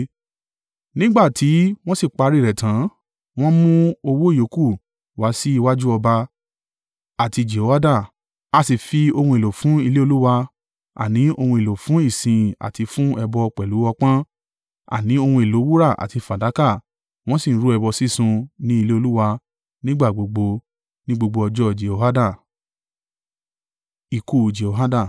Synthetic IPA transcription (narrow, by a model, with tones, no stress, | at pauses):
nĩ˦ɡ͡ba˦˨tʰi˨˦w̃ɔ̃˦si˦˨k͡pa˧ɾi˦˨ɾɛ˨tã˨˦ | w̃ɔ̃˦mũ˦o˧wo˦i˦˨jo˨˦ku˦˨ | wa˨˦si˦i˧wa˦d͡ʒu˦ɔ˧ba˧ | a˨ti˧d͡ʒe˨o˨˦wa˦da˦˨ | a˧si˨fi˧o˧hũ˧e˨lo˨fũ˨˦i˧le˦o˧lu˦wa˧ | a̰˨nĩ˨˦o˧hũ˧e˨lo˨fũ˨˦i˦˨sĩ˨˧˨a̰˨ti˧fũ˦ɛ˧bɔ˧k͡pɛ˨lu˨˦wɔ˧k͡pã˦ | a̰˨nĩ˨˦o˧hũ˧e˨lo˨˦wu˦ɾa˦˨ʔa̰˨ti˧fa˨da˨˦ka˦˨ | w̃ɔ̃˦si˦˨˦ɾu˨˦ɛ˧bɔ˧si˦sũ˧nĩ˦i˧le˦o˧lu˦wa˧ | nĩ˦ɡ͡ba˦˨ɡ͡bo˨ɡ͡bo˧ | nĩ˦ɡ͡bo˧ɡ͡bo˧ɔ˧d͡ʒɔ˦˨d͡ʒe˨o˧˨ɦa˦dã˦˨ | i˧ku˦˨d͡ʒe˨o˨ɦa˦dã˦˨